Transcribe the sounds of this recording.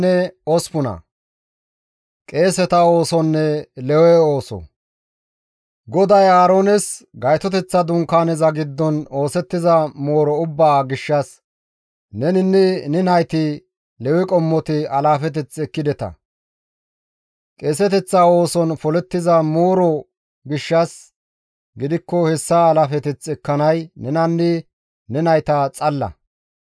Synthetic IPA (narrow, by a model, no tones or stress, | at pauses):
ɛɔspʊnɐ̰ | kʼe̞ːsɛt̪ɐo̞ːsɔnːɛlɛwɛo̞ːsɔ̰ | ɡɔd̪ɐjaːɾo̞ːnɛsɡɐjt̪ɔt̪ɛt͡sːɐd̪ʊŋkaːnɛzɐɡɪd̪ːɔno̞ːsɛt̪ːɪzɐmoːɾɔʊbːaːɡɪʃːɐs | nɛnɪnːɪnɪnɐjt̪ɪ | lɛwɪkʼɔmːɔt̪ɪɐlaːfɛt̪̬ɛt͡sɛkːɪd̪ɛt̪ɐ̰ | kʼeːsɛt̪ɛt͡sːao̞ːsɔnfɔlɛt̪ːɪzɐmoːɾɔ | ɡɪʃːɐs | ɡɪd̪ɪkːɔhɛsːaːlaːfɛt̪ɪt͡sɛkːɐnɐjnɛnɐnːɪ | nɛnɐjt̪ɐt͡sʼɐlːɐ̰